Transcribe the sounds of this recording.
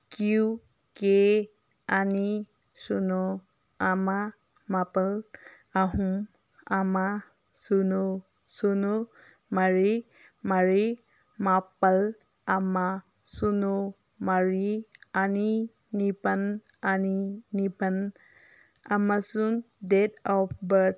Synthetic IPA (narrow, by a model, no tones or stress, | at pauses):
kiu | ke | ani | sunɔ | ama | mapal | aɦum | ama | suno | suno | maɹi | maɹi | mapal | ama | suno | maɹiani | nipan | aninipan | amasun | dedɔpʰbət